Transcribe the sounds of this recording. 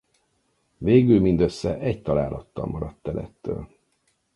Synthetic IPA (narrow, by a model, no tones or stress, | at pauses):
veːɡylmind̪øsːɛʔɛɟt̪ɒlaːlʔɒt̪ːɒ̰lmɒɾɒt̪ːɛlɛ̰t̪ːø̰ːl